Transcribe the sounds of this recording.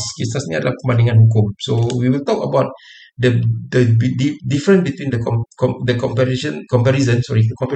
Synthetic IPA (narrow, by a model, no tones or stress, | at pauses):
skesasnĩa̰dəlahkəmãndĩŋãnhuk̬ũmsowiwilt̪ɔkə̰baʊt̚ | dədəbididifəɹə̃nsbit̪wĩndəkɔkɔdəkɔ̃mpɛɾiʃə̃nkɔ̃mpɛɾizə̃nsɔɹikɔ̃mp